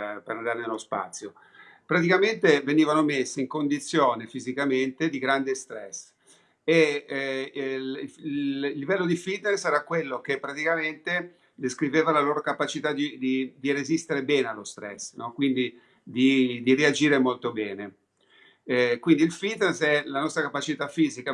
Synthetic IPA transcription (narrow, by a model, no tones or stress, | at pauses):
peɾand̪aːɾenelospa̰t̪sːjo | pɾat̪ikament̪eveniːvanomesːeiŋkond̪it̪sːjoːnefizikament̪ed̪iɡɾand̪est̪ɾɛs | e | lːivɛlːod̪ifit̪nesɛːɾakwelːok̟epːɾat̪ikament̪e | d̪eskɾiveːvalaloːɾokapat͡ʃit̪ad̪id̪id̪irezist̪eɾebɛːnealːost̪ɾɛ̰sːnɔkwind̪i | d̪id̪iread͡ʒiːɾemolt̪obɛːne | kwind̪iilfit̪nesɛlanɔst̪ɾakapat͡ʃit̪afiːzika